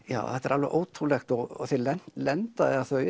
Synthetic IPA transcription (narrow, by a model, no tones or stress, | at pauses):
ja̰ːwθɛt̪ːɛɾalvɛʔoːwt̪ʰɾulɛxt̪ɔɔθɛlɛnlɛnt̪aɛaθœʏ